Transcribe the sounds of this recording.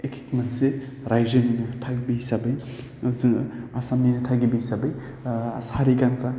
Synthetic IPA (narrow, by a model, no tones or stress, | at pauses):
ekʰitmentseɾajzɐninɐtʰaɡibisabɐj | ɐziŋasamninɐtʰaɡibiisabɐj | a̰saɾikankʰa